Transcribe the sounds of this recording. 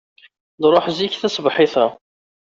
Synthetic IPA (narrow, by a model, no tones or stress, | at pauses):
ðɾˤoħziçθæsbħɪθæ